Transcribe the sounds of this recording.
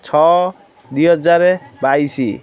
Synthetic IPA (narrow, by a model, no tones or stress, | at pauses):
t͡sʰɔ | d̪ujɦʌd͡zaɾebajsi